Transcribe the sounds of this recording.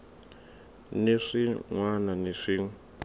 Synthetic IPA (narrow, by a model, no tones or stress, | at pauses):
neʂiŋwananeʂiŋ